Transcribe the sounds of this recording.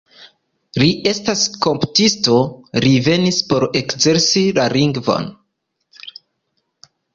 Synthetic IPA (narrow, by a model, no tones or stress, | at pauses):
liʔe̞stasko̞mpu̥tisto̞ɾive̞nispo̞ɾe̞kze̞ɾsilaɾiŋɡvo̞̰n